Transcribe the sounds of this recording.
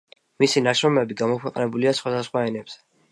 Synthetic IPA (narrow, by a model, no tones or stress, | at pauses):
misinaʃɾɔmɛbiɡamɔkʰwɛqʼnɛbuliasχwad̪asχwaɛnɛbz̥ɛ̥